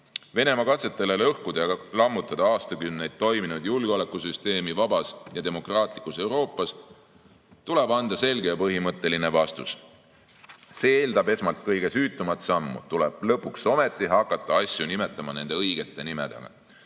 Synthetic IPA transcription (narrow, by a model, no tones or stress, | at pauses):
ve̞ne̞mɑkɑt̪se̞t̪ːˑele̞lɤhkud̪̥ɑjɑlɑmːut̪ːˑɑd̪̥ɑɑːst̪ɑkymne̞jd̪̥̚t̪o̞jminud̪̥julɡ̥eo̞le̞kːˑusyst̪e̞ːmivɑbɑsjɑt̪e̞mo̞krɑːt̪ˑlikˑːuse̞wɾo̞ːpːˑɑs | t̪ule̞bɑnd̪̥ɑse̞lʲɡ̥ejɑpɤɦimɤt̪ːˑe̞line̞vɑst̪us | seeːld̪ɑbe̞smɑlt̪̚kɤjɡ̥e̞syːt̪ˑːumɑt̪sɑmːṵt̪uleb̥lɤpːˑukso̞me̞t̪ːˑiɦɑkːˑɑt̪ːˑɑɑsʲjunime̞t̪ːˑɑmɑne̞nd̪e̞ɤjɡ̥e̞t̪ːˑe̞nime̞̰d̪̥e̞̰ɡ̥ɑ̰